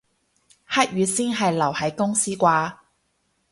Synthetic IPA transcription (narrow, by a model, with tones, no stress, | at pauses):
haː˥t̚jyː˨˧siː˥nɦɐ˨jlɐ˨˩whɐ˨˥jkʊ˥ŋsiː˥kʷaː˧